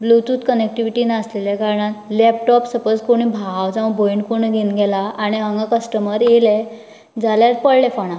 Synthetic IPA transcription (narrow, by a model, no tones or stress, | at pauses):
blut̪uːt̪kənek̚ʈiʋiʈiːnəslelɛkaɾɳat̪lɛp̚ʈɔpsəpəd͡zkoɽ̃iːbʱaʋd͡zãʋbʱojɳkoɳ̃əɡʱenɡɛlaːɽ̃iɦəŋɡakəsʈəməɾele | d͡zʱaljaɾ̚pəɽlɛfaɽ̃ã